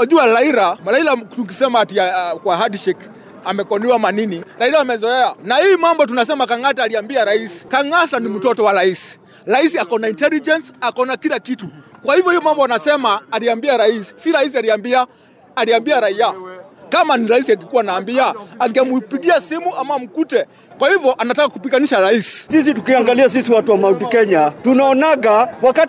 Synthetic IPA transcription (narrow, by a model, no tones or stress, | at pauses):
aʄualaiɾamalaiɾatuk̬isɛmatiakwaɦadʃɛk | amɛkɔniwamaniniɾaiɾaːmɛzɔɛanahiːmambɔt̬unasɛmakaŋataːliambiaɾaisi̥kaŋasanim̩tɔtɔwaɾaisi̥ | ɾaisiakaɔnaintɛlid͡ʒɛnsakaɔnakilakitukwahivjɔhiɔmambɔanasɛmaːliambiaɾaisi̥siɾais̬ialiambiaː | liambiaɾaiakamaniɾaisiakikuwaːnaːmbiaaŋɡɛmupiɡiasimuʔamam̩kutɛ | kwahivjɔʔanatakakupiɡaniʃaɾaisi̥sis̬itukiaŋɡalias̬isiwatuwamautikɛɲatunaɔnaɡawaka